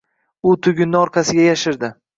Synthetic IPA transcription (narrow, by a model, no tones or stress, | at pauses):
ʊt̪ʰʊɡʲɪnːɪɒɾqʰɑsɪɡʲajaʃɪɾd̪ɪ